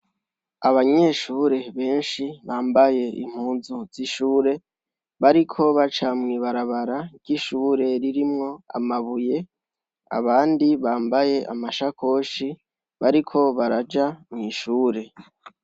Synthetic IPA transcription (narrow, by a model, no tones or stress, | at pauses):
aβaɲe̞ʃuːɾe̞βe̞ːnʃiβaːmbaje̞ʔḭm̥huːnzuz̥iʃuːɾe̞ | βaɾikʰo̞βat͡ʃamŋiːβaɾaβaɾḁɟiʃuːɾe̞ɾiɾimŋo̞a̰maβuje̞ | a̰βaːndiβaːmbaje̞ʔa̰maʃakʰo̞ːʃi | βaɾikʰo̞βaɾad͡ʒamŋiːʃuːɾe̞